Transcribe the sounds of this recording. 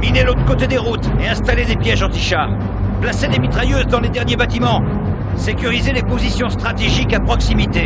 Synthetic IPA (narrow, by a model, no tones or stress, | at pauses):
minelot̪χə̥kot̪ed̪eʁut̪eɛ̃st̪aled̪epjɛʒɑ̃t̪iʃaːʁ | plased̪emit̪χajøzd̪ɑ̃led̪ɛʁnjebat̪imɑ̃ | sekʲyʁizelepozisjɔ̃st̪χat̪eʒikapχɔksimit̪e